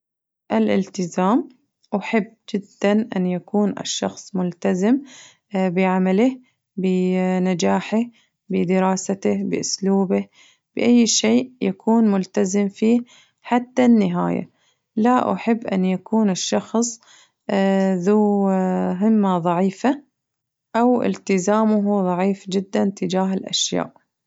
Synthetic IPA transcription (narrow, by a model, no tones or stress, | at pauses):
ʔɪlʔɪ̰lt̪ɪzaːm | ʔaħɪbːd͡ʒɪd̪ːanʔa̰njakuːnʔɪ̰ʃːɑxsˤmʊlt̪azɪm | bɪʕamalɪh | bɪnad͡ʒaːħɪ | bɪd̪ɪɾɑːsat̪ɪhbɪ̰ʔʊsluːbɪ | b̥ɪʔajːʃeːʔjakʰuːnmʊlt̪azɪmfiː | ħat̪ːanːɪɦa̰ːja̰ | laʔʊ̰ħɪbːʔa̰nːjakuːnɪʃːɑxsˤ | ðu | ɦɪmːaðˤɑʕiːfa | ʔawʔɪ̰lt̪ɪzaːmʊɦʊðˤɑʕiːfd͡ʒɪd̪ːant̪ɪd͡ʒaːɦɪlʔa̰ʃja̰ːʔ